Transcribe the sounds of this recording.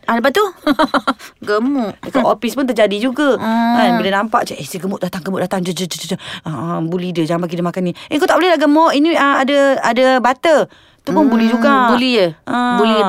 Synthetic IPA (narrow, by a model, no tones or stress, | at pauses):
ʔaləp̬aʔt̪u | ɡəmuʔəkaʔofispʊnt̪ərd͡ʒadid͡ʒuɡəəbilənampaʔt͡ʃaʔesiɡəmʊʔ̚dat̪aŋɡəmʊʔdat̪aŋd͡ʒəd͡ʒəd͡ʒəd͡ʒəd͡ʒəəmbulidəd͡ʒaŋanbaɡidəmakaniʔeŋkowt̪aʔbəlɛlaɡəmɔʔiniəadaadabat̪ə | t̪upʊnbulid͡ʒuɡabuliəbuli